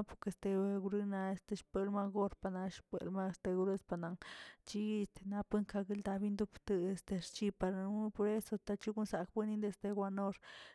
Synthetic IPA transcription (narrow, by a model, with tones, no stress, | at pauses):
po˧ke˧˨st̪e˧e˧ɡu˧ɾɨ˦˧na˧e˧st̪e˧ʃpe˧lma˧ɡo˦ɾpa˨na˧ʃpḛ˨lma˦˧st̪e˧ɡu˧ɾe˦spa˧na˨ŋt͡ʃi˦˧st̪e˧na˧pɨ˦ŋka˧ɡi˦ld̪a˧bi˦nd̪u˦pt̪ɨ˧e˧˨st̪e˧ɾt͡ʃi˧pa˧ɾpo˧ɾe˦so˧t̪a˧t͡ʃi˦ɡu˦nsa˨kbɨ˦ni˦nd̪e˧sd̪e˧ɡwa˧no˧ɾ